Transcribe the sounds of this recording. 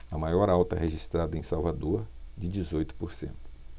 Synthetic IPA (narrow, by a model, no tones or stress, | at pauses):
ɐmajɔɾawt̪ɐ̰ɦeʒist̪ɾad̪ɐẽj̃sawvad̪oɾd͡ʒɪd͡ʒɪzojt̪ʊ̥poɾsḛ̃nt̪ʊ̥